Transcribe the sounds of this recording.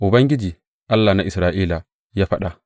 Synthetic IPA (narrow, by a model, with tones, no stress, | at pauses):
ʔu˨bɐ˦ŋɡʲi˦d͡ʒiː˨ | ʔa˦lːa˨na˦ʔɪ˨sɾaː˨ʔiː˦la˨ | jaː˦ɸa˦ɗa˨